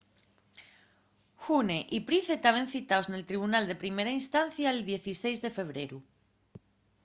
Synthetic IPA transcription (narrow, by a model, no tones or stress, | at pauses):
xuneʔipɾiθe̞t̪aβ̞e̞n̟θit̪aozne̞lt̪ɾiβ̞unald̪e̞pɾimeɾainst̪anθjaeld̪je̞θise̞jzðe̞fe̞β̞ɾe̞ɾu